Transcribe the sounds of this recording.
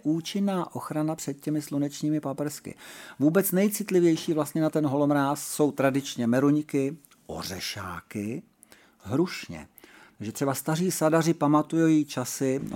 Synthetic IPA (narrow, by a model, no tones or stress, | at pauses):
ʔuːt͡ʃɪnːaːʔo̞xɾanapr̝̥ɛt̪̚cɛmɪslunɛt͡ʃɲiːmɪpapɛɾskɪ̰vuːbɛt͡snɛjt͡sɪt̪lɪvjɛjʃiːvlast̪ɲɛnat̪ɛnɦo̞lomɾaːsːo̞wt̪ɾadɪt͡ʃɲɛmɛɾuɲkɪ | ʔo̰r̝ɛʃa̰ːkɪ | ɦɾuʃɲɛ̰ | t̪aɡʒɛt̪r̥ɛbast̪ariːsadarɪpamat̪ujojit͡ʃasɪ